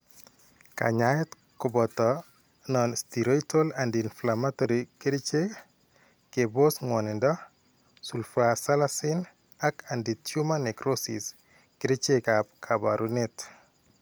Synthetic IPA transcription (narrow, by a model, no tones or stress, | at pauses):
ka̰ɲaɛt | kɔbɔtɔ | nɔnstiɾɔjtolandinflamatoɾikiɾit͡ʃe | kebosŋwɔnɪndɔ | sulfasalasɪn | akanditjumanɛkɾosḭs | kɪɾit͡ʃekapkʰabaɾunɛt